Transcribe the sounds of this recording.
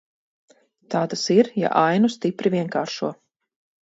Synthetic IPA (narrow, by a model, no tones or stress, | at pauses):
t̪aːd̪asiɾja̰ʔajnust̪ipɾivʲiɛŋkaːɾʃuɔ